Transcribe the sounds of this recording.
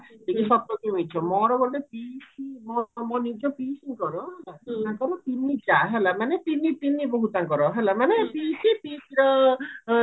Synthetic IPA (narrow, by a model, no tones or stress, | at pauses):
tikisɔp̚tɔkimit͡ʃʰɔmɔɾɔbɔtepisimɔmɔnid͡ʒɔpisiŋkɔɾɔɦɛlaaŋkɔɾɔt̪init͡ʃaɦɛlamanet̪init̪inibɔɦut̪aŋkɔɾɔɦɛlamanepisipisiɾɔ